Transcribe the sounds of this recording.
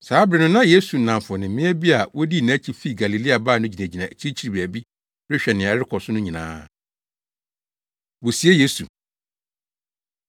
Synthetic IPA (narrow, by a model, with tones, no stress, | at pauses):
saː˨˦bɾɪ˨nʊ̃˦nã˦je˦su˨nã˨mfʊ˨nɪ̃˨mmɪ̃˦ɛ˦bi˦a˨wɔ˦di˦˨næ̃˦t͡ɕʰi˦fi˦˨ɡa˨li˨li˦a˨baː˦˨nʊ̃˦d͡ʑi˨næ̃˨d͡ʑi˨nã˨t͡ɕʰi˦i˦t͡ɕʰi˦ɾi˨bæ˨bi˦ | bɾɪ˦ɕᶣɛ˨nɪ̃˨ɾɪ˦kʰɔ˨sʊ˦nʊ̃˦ɲĩ˨nã̰ː˦ | wo˨si˨˦e˦je˦sṵ˨